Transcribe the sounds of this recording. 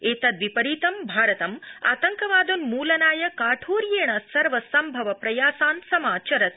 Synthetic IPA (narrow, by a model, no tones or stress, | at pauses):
eːt̪ɐd̪ʋipɐɾiːt̪ɐmbʱaːɾɐt̪ɐma̰ːt̪ɐŋkɐʋaːd̪unmuːlɐnaːjɐkaːʈʰoːɾjeːɳɐsɐɾʋɐsɐmbʱɐʋɐpɾɐjaːsaːnsɐmaːt͡ʃɐɾɐt̪̚